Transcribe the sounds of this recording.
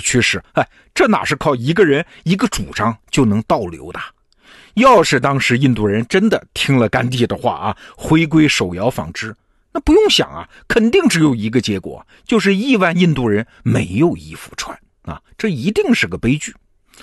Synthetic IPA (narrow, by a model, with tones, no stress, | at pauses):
t͡ɕʰɛ˥˧ʂɻ̩˥˩a˥˩ɪ | ʈ͡ʂɤ˥˩na̰˨˩ʂɻ̩˥˧kʰɑ˥˩ʊi˧˥ɡə˧ɻə˧˥ni˧˥ɡə˧ʈ͡ʂṵ˨˩ʈ͡ʂɑ˥ŋt͡ɕjo˥˩ʊnɤ˧˥ŋt̪ɑ˥˩ʊljo̰˧˥ʊt̪a˨˩ | jɑ˥˧ʊʂɻ̩˥˩t̪ɑ˥ŋʂɻ̩˧˥i˥˧nt̪u˥˩ɻə˧˥nʈ͡ʂə˥nd̪ə˨t̪ʰi˥ŋlə˨ka˥nt̪̬i˥˩d̪ə˩xwa̰˥˩ɐ˩xwe˥ɪk̬we˥ɪʂo˨˩ʊjɑ˧˥ʊfɑ̰˧˥ŋʈ͡ʂɻ̩˥ | na˥˩pu˧˥jʊ˥˩ŋɕjɑ̰˨˩ŋɐ̰˦ | kʰə˨˩nt̪i˥˩ŋʈ͡ʂɻ̩˧˥jo˧˩ʊi˧˥ɡə˧t͡ɕjɛ˧˥kwɔ̰˨˩ | t͡ɕjo˥˧ʊʂ̬ɻ̩˥˧i˥˧wa˥˧ni˥˧nt̪u˥˩ɻə˧˥n | me˧˥ɪjo˥˧ʊḭ˥fu̥̰˧˥ʈ͡ʂʰwa̰˥˦n | ɐ̰˧˩ʈ͡ʂɤ˥˩i˧˥t̪i˥˧ŋʂɻ̩˥˩ɡə˩pe˥ɪt͡ɕy˥˩